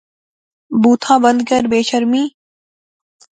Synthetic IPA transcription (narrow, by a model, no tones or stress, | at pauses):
buːt̪ʰãːbənd̪̚kəɾbeːʃəɾmiː